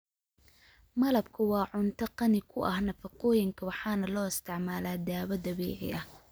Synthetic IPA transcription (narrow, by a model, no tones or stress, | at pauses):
mɐlɐbkʰɐwɑːʕʊnt̪ʰɐqɑnɪkʰʊʔɐhnɐfɐqɔːjɪŋkʰɐwɑħɑːnɐlɔːɪst̪ʰɪʕmaːlaːd̪aːβɐd̪ɐβɛːʕɪ̰ɐh